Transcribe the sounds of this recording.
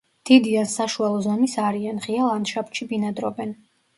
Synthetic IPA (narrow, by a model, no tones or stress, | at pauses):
d̪̥id̪id̪ansaʃualˠɔzɔmisaɾianʁialˠanʃapʃibinad̪ɾɔ̰bɛn